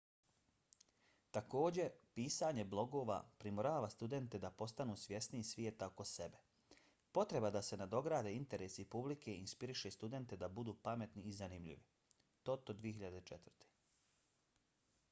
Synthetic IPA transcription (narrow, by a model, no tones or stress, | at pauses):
t̪ako̞ːd͡ʑe̞piːsaɲe̞blˠo̞ɡo̞ːʋa̰pɾimoɾaːʋast̪ud̪e̞nt̪ed̪apo̞st̪anuːsʋje̞sniisʋje̞t̪aoko̞se̞be | po̞t̪ɾe̞bad̪ase̞nad̪o̞ɡɾaːd̪e̞int̪e̞ɾeːsipublike̞inspiɾiʃe̞st̪ud̪e̞nt̪e̞d̪abud̪uːpame̞t̪niːzanimʎḭʋi | t̪o̞t̪od̪ʋijeɦiʎad̪et͡ʃet̪vərt̪e̥